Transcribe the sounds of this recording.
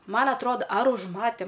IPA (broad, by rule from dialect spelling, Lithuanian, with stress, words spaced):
ˈmɐn ɐtˈroːdɐ ɐr ʊʒˈmɑːtʲeːm